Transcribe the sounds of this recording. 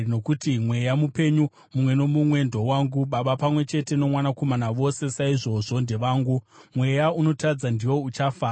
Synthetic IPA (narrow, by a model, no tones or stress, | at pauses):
no̞kutimwe̞jamupe̞ɲu | mumwe̞no̞mumwe̞ndʱo̞waːŋɡuɓaɓapamwe̞t͡ʃe̞te̞no̞mwanako̞manaʋo̞se̞saiʐo̞ʐo̞ndeʋaːŋɡu | mwe̞jauno̞tad͡zandiwo̞ut͡ʃafaː